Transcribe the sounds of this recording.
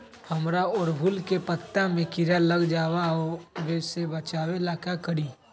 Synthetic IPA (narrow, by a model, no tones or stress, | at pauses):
hɐmɾaɔːɾbʱʊlkepət̪ːamẽkɪɾaləɡd͡ʒaːwaoʋeːsebɐt͡ʃaːwelakakəɾiː